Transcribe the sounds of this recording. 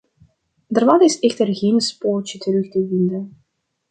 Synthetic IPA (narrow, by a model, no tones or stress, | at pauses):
dərʋɑnɪsɛxtərɣeːnspoːlt͡ʃətəɾʏxtəvɪndən